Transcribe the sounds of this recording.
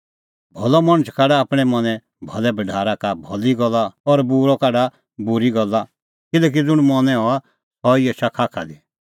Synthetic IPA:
bʱɔlɔmɐɽ̃ət͡ʃʰkaɖaːpɽ̃ɛmɐnɛ̃ | bʱɔlɛbɐɖʱaːɾakabʱɔliɡɔlːaɔɾbuːɾɔkaɖa | bʊɾiɡɔlːa | kɪlɛːk̬id͡zʊɽ̃mɔnɛ̃ɦɔa | hɔɪɛt͡ʃakʰaːkʰa̰d̪i

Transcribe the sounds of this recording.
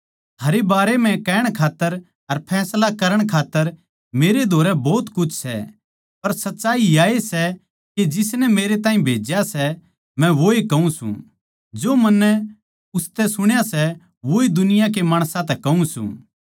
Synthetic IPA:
t̪ʰaːɾebaːɾemɛ̃kɛːɽ̃kʰaːt̪ːəɾ | ɐɾpʰɛːslakɐɾəɽ̃kʰaːt̪ːəɾ | meːɾed̪ʱoːɾɛbɔːt̪kʊt͡ʃʰsɛ̰ | pɐɾsɐtːʃaːiaːesɛ | ked͡ʒɪsnɛmeːɾet̪ãːĩbʱeːd͡ʒjasɛ | mɛ̃ʋoikɐũsṵ̃ | d͡ʒoːmɐnːɛ | ʊst̪ɛsʊɽ̃jasɛ | ʋoid̪ʊnɪjãk̬emaːɽ̃sãt̪ɛkɐũsṵ̃ː

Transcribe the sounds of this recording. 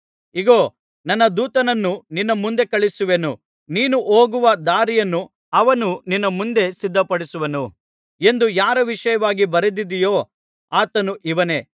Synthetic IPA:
iɡoː | nɐnːɐd̪uːt̪ɐnɐnːuninːɐmund̪e̞kɐɭisuʋe̞nu | niːnuʔoːɡuʋɐd̪aːɾijɐnːu | ɐʋɐnuninːɐmund̪e̞sid̪ʱːɐpɐɽisuʋɐnu | e̞nd̪ujaːɾɐʋiʂɐjɐʋaːɡibɐɾed̪id̪ijoː | aːt̪ɐnuʔiʋɐne̞ː

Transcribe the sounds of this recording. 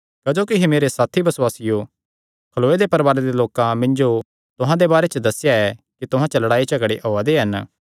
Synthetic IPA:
kɐd͡ʒoːkiɦemeːɾesaːt̪ʰibɐswaːsɪjo | kʰɐloːed̪epɐɾbaːɾed̪eloːkãmɪ̃nd͡ʒo | t̪ʊɦãd̪ebaːɾet͡ʃəd̪ɐsjaɛ | kit̪ʊɦãt͡ʃɐlɐɽaːit͡ʃɐɡəɽeʔoːad̪eɦɐn

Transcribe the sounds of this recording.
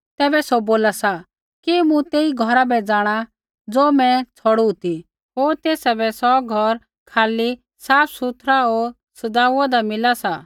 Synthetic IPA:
t̪ɛːbɛsoboːlasa | kimũt̪eːiɡʱɔɾabɛd͡zaːɽ̃a | d͡zoːmɛ̃t͡sʰɔɽut̪i | ɦoːɾt̪eːsabɛsɔɡʱɔɾ | kʰaːli | saːpʰsut̪ʰɾaoːɾ | sɐd̪aːuad̪amɪlasa

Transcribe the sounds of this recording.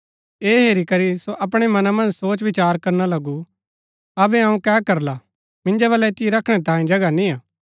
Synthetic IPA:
eːɦeːɾikɐɾisoʔɐp̬ɽ̃emɐnamɐ̃nd͡ʒsoːt͡ʃʋɪt͡ʃaːɾkɐɾnalɐɡu | ɐbɛɐũkɛːkɐɾla | mɪ̃nd͡ʒaʋɐlɛt̪ɪeɾɐkʰɽ̃et̪ãːĩd͡ʒɐɡanĩaː

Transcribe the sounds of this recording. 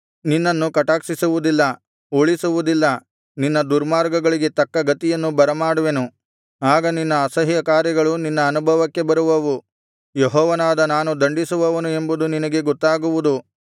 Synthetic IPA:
ninːɐnːukɐʈaːksisuʋud̪ilːɐ | oɭisuʋud̪ilːɐ | ninːɐd̪uɾmaːɾɡɐɡɐɭiɡe̞t̪ɐkːɐɡɐt̪ijɐnːubɐɾɐmaːɽuʋe̞nu | aːɡɐninːɐːsɐɦjɐkaːɾjɐɡɐɭuninːɐːnubʱɐʋɐkːe̞bɐɾuʋɐʋu | jeɦɔːʋɐnaːd̪ɐnaːnud̪ɐɳɖisuʋɐʋɐnue̞mbud̪uninɐɡe̞ɡɔt̪ːaːɡuʋud̪u

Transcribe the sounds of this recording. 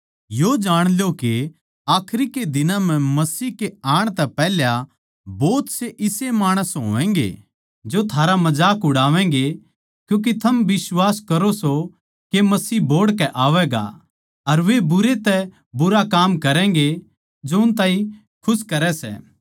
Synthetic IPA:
jod͡ʒaːɽ̃ljoke | aːkʰɾiked̪ɪnãm̤ɛ̃mɐsiːkeaːɽ̃t̪ɛpɛːɦlja | boːt̪seʔɪsemaːɽ̃əsɦo̰ːɛ̃ːŋɡḛ | d͡ʒot̪ʰaːɾamɐd͡ʒaːkʊɽaːʋɛ̃ːŋ̆ɡe | kjũːk̬it̪ʰɐmʋɪswaːskɐɾoso | kemɐsiːboːɽkɛʔaːʋɛːɡa̰ | ɐɾʋebʊɾet̪ɛ | bʊɾakaːmkɐɾɛ̃ŋ̆ɡe | d͡ʒoʊnt̪aːĩ | kʰʊskɐɾɛsɛ̰ː

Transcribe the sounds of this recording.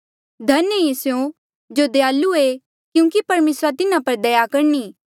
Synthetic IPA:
d̪ʱɐnəesjõ | d͡ʒod̪ejaːlːue | kjũːkipɐɾmeːsɾat̪ɪnãpɐɾd̪ɐjakɐɾniː

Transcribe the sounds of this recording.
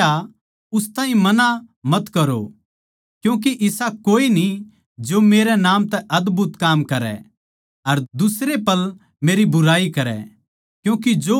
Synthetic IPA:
a | ʊst̪ãːɦĩmɐnamɐt̪kɐɾo̰ | kjũːk̬iʔɪsakoːini | d͡ʒoːmeːɾɛnaːmt̪ɛʔɐd̪bʊt̪kaːmkɐɾɛ̰ | ɐɾd̪ʊsɾepɐl | meːɾibʊɾaːikɐɾɛ̰ | kjũːkid͡ʒoː

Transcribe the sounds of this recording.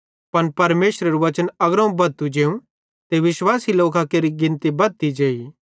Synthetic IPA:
pɐnpɐɾmeːʃɾeɾuʋɐt͡ʃənɐɡɾãũbɐt̪ud͡ʒeːũ | t̪eʋɪʃwaːsiloːkakeːɾiɡɪ̃nt̪ibɐt̪id͡ʒeːi

